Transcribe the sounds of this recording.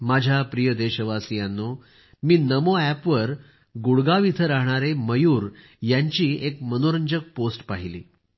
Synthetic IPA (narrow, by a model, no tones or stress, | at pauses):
mad͡ʑʱjapɾijəd̪eɕəʋasijãnːo | miːnəmoæpʋəɾ | ɡuɽɡaʋit̪ʰəɾaɦɳ̃aɾeməjuːɾ | jaɲt͡ɕiːekmənoɾəɲd͡ʑək̚posʈpaɦilḭː